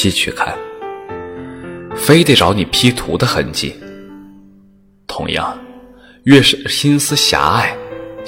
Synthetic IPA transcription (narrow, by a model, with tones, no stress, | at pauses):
i˥t͡ɕʰy̰˥˧˩kʰa̰˥˩n | fe˥ɪt̪e˥˩ɪʈ͡ʂɑ˧˥ʊni˨˩pʰi˥t̪ʰṵ˧˥d̪ə˧xə̰˧˥nt͡ɕḭ˥˩ | t̪ʰʊ̰˧˥ŋjɑ̰˥˩ŋ | ɥɛ˥˩ʂ̩˥˩xi˥nsɹ̩˥ɕja̰˧˥a˥˩ɪ